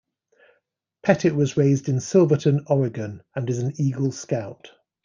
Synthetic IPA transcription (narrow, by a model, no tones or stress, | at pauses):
pʰɛtɪʔwɒzɹeɪzdɪ̃nsɪlˠvətʰə̃nɒɹɪɡə̃nə̃nɪzə̃niːɡəlˠskaʊt